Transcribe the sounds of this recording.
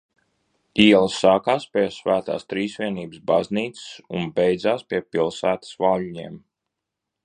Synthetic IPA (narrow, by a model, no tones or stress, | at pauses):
iɛlˠsːaːkaːspʲiɛsvæːt̪a̰ːst̪ɾiːsvʲiɛniːbəsbazniːt̪sɪ̥sunbɛjd̪zaːspʲiɛpilˠsæːt̪ə̥svaːluɲiɛm